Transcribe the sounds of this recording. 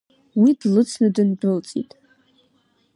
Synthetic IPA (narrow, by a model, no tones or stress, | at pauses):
widlɨt͡sʰnɨdɨnbɨlt͡sʼḭtʼ